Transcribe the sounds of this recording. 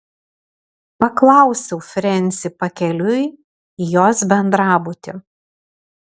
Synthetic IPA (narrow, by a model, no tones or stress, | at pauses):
pɐklˠɑˑʊsʲɛʊfʲɾʲɛnʲsʲɪpɐkʲɛlʲʊj | joːsbʲɛnd̪ɾɑːbut̪ʲɪ